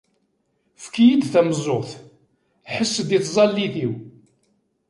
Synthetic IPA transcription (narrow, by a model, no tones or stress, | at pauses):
fkijid̪θæmzˤːoʁθ | ħəsːd̪iθzˤɑlːiθiw